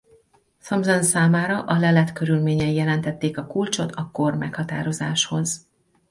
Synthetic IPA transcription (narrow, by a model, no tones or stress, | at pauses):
sɒmzonsaːmaːɾɒʔɒlɛlɛt̪køɾylmeːɲɛjjɛlɛnt̪ɛt̪ːeːkɒkult͡ʃo̞t̪ɒkormɛkhɒt̪a̰ːɾo̞zaːʃho̞z